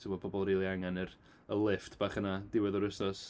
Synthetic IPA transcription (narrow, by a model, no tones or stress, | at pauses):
tʰibɔbɔbɔlˠriːlˠiaŋanɨr | əlˠɪftʰb̥aːχənadɪwɛðɔɾɪsnɔs